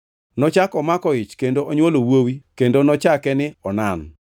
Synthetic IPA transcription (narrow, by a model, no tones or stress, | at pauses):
nɔt͡ʃakɔmakɔɪt͡ʃkendoʔoɲwolowowikendonɔt͡ʃakɛnɪɔnan